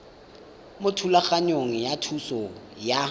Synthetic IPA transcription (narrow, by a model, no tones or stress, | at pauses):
mʊtʰulaχaɲoŋ̩jatʰusɔja